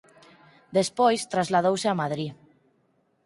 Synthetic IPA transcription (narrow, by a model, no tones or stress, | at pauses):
d̪espojst̪ɾazlað̞owseamaðɾi